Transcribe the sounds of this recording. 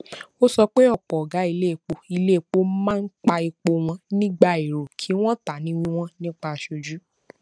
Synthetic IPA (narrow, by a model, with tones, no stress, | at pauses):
o˦sɔ˧k͡pe˦ɔ˦˨k͡pɔ˨ɔ˨ɡa˨˦i˧le˦i˨k͡po˧i˧le˦˨k͡po˦mãː˦n̩˦k͡pa˧i˧k͡po˧w̃ɔ̃˧nĩ˦ɡ͡ba˧i˨ɾo˨kʰi˨˦w̃ɔ̃˦ta˨nĩ˨˦w̃ĩ˦w̃ɔ̃˦nĩ˦k͡pa˧a˧˨ʃo˧d͡ʒu˦